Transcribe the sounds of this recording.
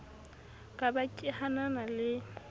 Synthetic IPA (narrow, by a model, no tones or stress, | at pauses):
kʼabakʼɪhananalɪ